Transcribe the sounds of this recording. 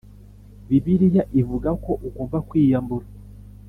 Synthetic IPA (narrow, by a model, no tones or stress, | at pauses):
βiβiɾijaʔivuɡako̞ʔukoːɱvakwiːjambuɾa